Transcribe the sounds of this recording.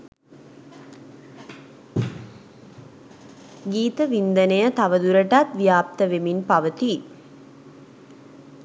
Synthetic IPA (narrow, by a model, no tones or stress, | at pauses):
ɡiːt̪əʋind̪ənəjət̪aʋəd̪uɾəʈat̪ʋijaːp̚t̪əʋeminpaʋət̪i